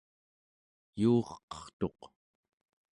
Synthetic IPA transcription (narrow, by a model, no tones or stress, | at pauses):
juːʁqʌ̥χt̪o̞q